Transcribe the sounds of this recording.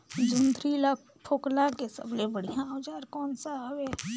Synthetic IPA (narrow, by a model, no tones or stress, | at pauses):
d͡ʒʊnd̪ɾila | pʰoːklãkesə̰blebəɽ̤ijãoːd͡ʒaːɾkɔːnsaɦəwe